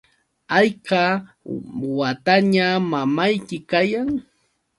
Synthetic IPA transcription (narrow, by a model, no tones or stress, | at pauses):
ɑjqɑ | wat̪aɲamamajkɪkajaŋ